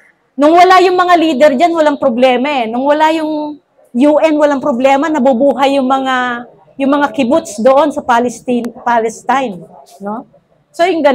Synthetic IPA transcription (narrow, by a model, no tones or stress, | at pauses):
nʊŋwɐlajʊŋmɐŋaliːd̪ɛɾd͡ʒanwɐlaŋpɾoblɛːmaɛnʊŋwɐlajʊŋ | juʔɛnwɐlaŋpɾoblɛːmɐnɐbubuːɦɐjːʊŋmɐŋa | jʊŋmɐŋakɪbʊt̪sd̪oʔo̞nsɐpalɪst̪inpalɛst̪ajnno̞ | so̞jʊŋɡɐ